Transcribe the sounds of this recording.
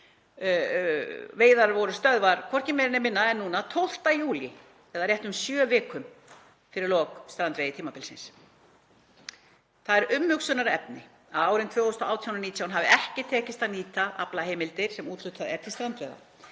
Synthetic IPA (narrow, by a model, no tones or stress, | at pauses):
veːjðaɾvɔɾʏst̪œðvaɾ̥kʰvɔr̥cɪmɛɾɪnɪmɪnːaɛɾnuːnat̪ʰowl̥t̪ajuːlɪ | ɛðaɾrjɛht̪ʏmsjœːvɪːkʏm | fɪɾɪɾlɔːkst̪ɾant̪vejðɪt̪ʰiːmapɪlsɪns | θaðɛɾʏmhʏksʏnaɾɛpnɪ | aðaːwɾɪmnt̪ʰvœːɣost̪ɔʔaːwt̪ʰjawnniːt̪jawnɦavɪɛhcɪt̪ʰɛːcɪst̪ʰaniːt̪aʔa̰plaɦejmɪlt̪ɪɾ̥sɛmuːt̪lʏht̪ʰaðɛ̰ɾt̪ɪst̪ɾant̪vejða̰